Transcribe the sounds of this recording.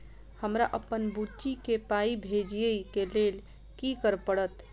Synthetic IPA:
həmɾaʔəpːənbut͡ʃikepaibʱed͡ʒiəikelel | kikəɾpəɽət̪

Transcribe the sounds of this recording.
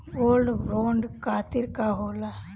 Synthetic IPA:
oːlɖʋoːɳɖkaːt̪iɾkaːɦoːla

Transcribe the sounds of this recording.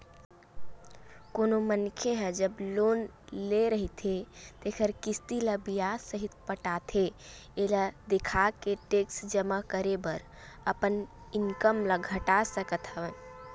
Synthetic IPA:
konomənkʰeɦəd͡ʒəblon | leɾəɦit̪ʰet̪ekʰəɾkist̪iləbijasəɦit̪pəʈat̪ʰe | eləd̪ekʰakeʈeksd͡ʒəmakəɾebəɾ | əpəniŋkəmləɡʱəʈasəkət̪ɦəʋən

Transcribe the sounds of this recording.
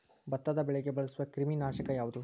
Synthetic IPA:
bɐt̪ːɐd̪ɐbɛɭɛɡebɐɭɐsuʋɐkɾiminaːʃɐkɐjaːʋud̪u

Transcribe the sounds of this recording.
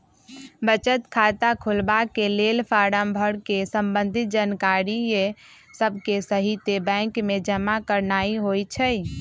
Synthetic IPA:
bət͡ʃət̪kʰat̪akʰulbakelelpʰaɽəmbʱəɽkesəmbənd̪ʱit̪̚d͡ʒankaɾie | səbʱkesəɦit̪ebɛ̃ŋkmed͡ʒəmakəɾnaiɦojt͡ʃʰəj

